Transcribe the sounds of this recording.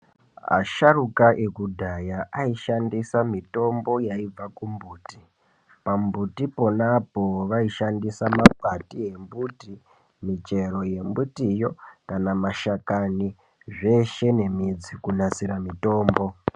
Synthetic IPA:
a̰ʃarukaʔekudʱajaʔaiʃandisamito̞mbo̞jaib͡vakumbuːti | pambutipo̞napo̞ʋaiʃandisamap̚atie̞mbuti | mit͡ʃe̞ɾo̞je̞mbutijo̞kanamaʃakani | ʐe̞ʃe̞ne̞mid͡zikunat͡siɾamito̞ːmbo̞

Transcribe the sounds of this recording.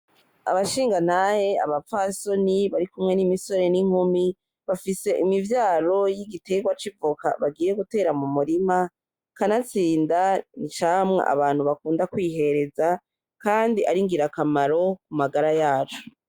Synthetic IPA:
a̰βaʃiːŋɡan̥ahea̰βafaːso̞niβaɾikumŋe̞nimiso̞ɾe̞niŋ̥humi | βafise̞ʔimivjaːɾo̞jiɡite̞ɡwat͡ʃivuka̰βaɡiːjeɡute̞ːɾamumuɾima | kanat͡siːndanit͡ʃamŋa̰ʔa̰βaːn̥huβakuːndakwiːɦe̞ɾe̞za | kaːndiʔaɾiŋɡiɾakamaɾo̞kumaɡaɾajaːt͡ʃo̥

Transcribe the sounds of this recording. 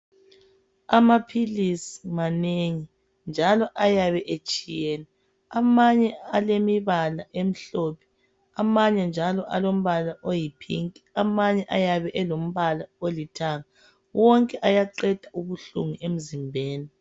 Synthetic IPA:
amapʰilisi̥maneŋi | nd͡ʒʱalɔʔajaβɛʔet͡ʃʼijeːni | amaɲɛalemiβalaʔem̩ɬopʰɛ̥ | amaɲɛnd͡ʒʱalɔʔa̰lom̩βalaʔojipʰḭŋkʼi̥amaɲɛʔajaβɛʔɛlom̩βalaolitʰaŋa | wɔŋkʼɛʔajaǃɛd̥ʱauβuɬṵŋiʔem̩zimbʱeːni

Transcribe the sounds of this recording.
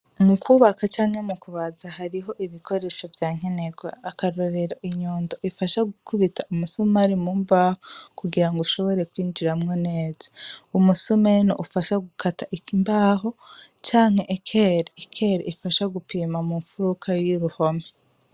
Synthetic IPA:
mukʰuβakat͡ʃaːŋhemukuβazahaɾiɦo̞ʔiβikʰo̞ɾe̞ʃo̞vjaːŋ̥e̞ne̞ɡweakaɾoɾeɾaʔiɲoːndoʔifaʃaɡukʰuβitʰaumusumaɾimumbaːhokuɡiɾaŋɡuʃo̞βo̞ɾe̞kwiːnd͡ʒiɾamŋone̞ːzḁumusumenoʔufaʃaɡukʰataʔikimbaːɦo̞t͡ʃaːŋ̥e̞ʔːkʰeɾeːkʰeɾeifaʃaɡupiːmamuːɱfuɾukʰajiɾuho̞me

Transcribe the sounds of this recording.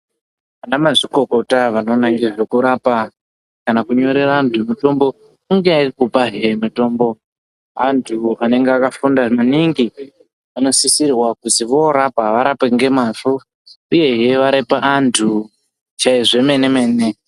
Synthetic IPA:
anamaʐiko̞ko̞taʋano̞ːnaieʐe̞kuɾapa | kanakuɲo̞ɾe̞raːntʰumito̞mbo̞ | uŋɡearikupaɦeemito̞mbo̞ | antʰuane̞ŋɡeakafundamaniŋɡi | ano̞sisirwakutiʋo̞ːɾapaʋaɾapeŋɡe̞maʐu | uje̞ɦeʋaɾepaʔantʰu | t͡ʃaiʐe̞me̞ne̞me̞ːne

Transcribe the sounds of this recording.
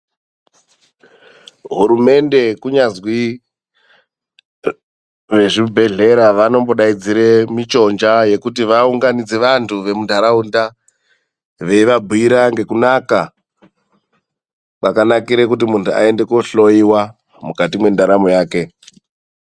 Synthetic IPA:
ɦuɾume̞nde̞kuɲazwi | ʋe̞ʐibʱe̞ɮe̞ɾaʋano̞mboɗaid͡ziɾemit͡ʃo̞nd͡ʒaje̞kutiʋauŋɡanid͡ze̞ʋantʰuʋe̞mudʱaɾaunda | ʋe̞iʋabʱuiɾaŋɡe̞kunaka | pakanakiɾek̬ut̬imuntua̰e̞nde̞koɬo̞iwa | mukatimwe̞ndaɾamojaːke̞

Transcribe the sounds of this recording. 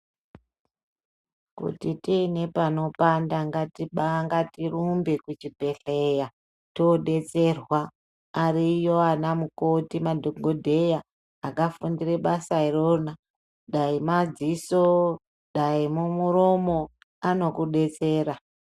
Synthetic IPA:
kṵtitine̞pano̞pandaŋɡatiŋɡatirumbekut͡ʃibʱe̞ɬeja | to̞ɗe̞t͡se̞rwaː | rijo̞anamukotimadʱoɡʱodʱe̞jaː | kafundire̞ɓasairona | ɗaimad͡ziso | ɗaimumuɾo̞mo̞ | ano̞kuɗe̞t͡se̞ːɾa

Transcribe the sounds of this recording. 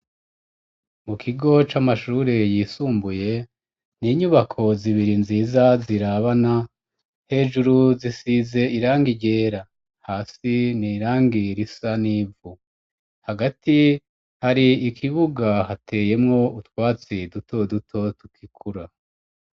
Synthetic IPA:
mukʰiɡo̞t͡ʃamaʃuːɾejiːsuːmbuje̞ | niːɲuβakʰo̞ziβiɾinziːzaziɾaβana | he̞ːʒuɾuzisize̞iɾaːŋɡiɟe̞ːɾa | haːsiniːɾaːŋɡiɾisaniːvu | haɡati | haɾiːkʰiβuɡahatʰe̞je̞mŋo̞utwaːt͡sidutʰo̞dutʰo̞tukʰikʰuɾa

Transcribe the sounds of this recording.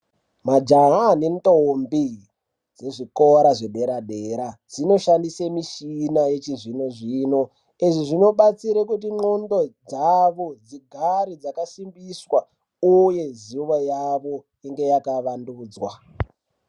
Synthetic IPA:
mad͡ʒaɦane̞ntombi | d͡ze̞ʐikoɾaʐe̞ɗe̞ɾaɗeɾad͡zino̞ʃandisemiʃinajet͡ʃiʐinoʐiːno̞ | iʐiʐino̞ɓat͡siɾekutiŋ͡ǃondo̞d͡zaʋo̞d͡ziɡʱaɾid͡zakasimbiswa | uje̞ziʋojaʋo̞ | iŋɡe̞jakaʋanduːd͡zwa

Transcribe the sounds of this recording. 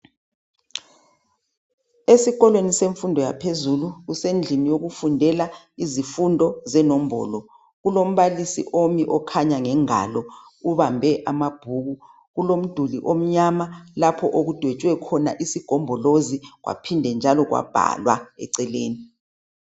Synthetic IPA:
esiɣɔlweniseɱfundʱɔja̰pʰezuluɣusend͡ɮʱinijoɣufundʱɛla | izifundʱɔzɛnɔm̩bɔ̰ːlɔ | ɣulom̩βalisḭʔomiʔɔkʰaɲaŋɛŋa̰lɔ | uβambʱɛʔamab̥ʱuːɣu | ɣulom̩d̥ʱuliʔom̩ɲamalapʰɔʔoɣud̥ʱwet͡ʃʼwɛkʰɔna̰ʔisiɡ̥ʱɔmbʱɔloziɣwa̰pʰindʱɛnd͡ʒʱalɔɣwa̰b̥ʱa̰lwa̰ɛ̰ǀɛleːni

